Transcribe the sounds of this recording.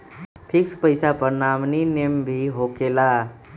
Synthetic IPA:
pʰikspəjsapəɾnamninembʱiɦokela

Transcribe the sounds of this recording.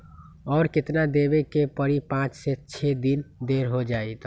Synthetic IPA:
ɔːɾket̪nad̪ebekepəɽipãt͡ʃsɛt͡ʃʰed̪ind̪eɾɦod͡ʒait̪

